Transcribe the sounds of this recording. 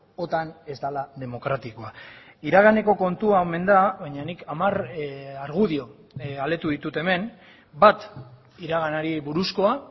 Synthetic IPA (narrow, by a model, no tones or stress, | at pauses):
o̞t̪ane̞zd̪alaðe̞mo̞kɾat̪ikoa | iɾaɣ̞ane̞ko̞ko̞nt̪uaome̞nd̪aβaɲanikamaraɾɣuðio̞ | ale̞t̪uðit̪ut̪e̞me̞n | bat̪ | iɾaɣanaɾiβuɾusko̞a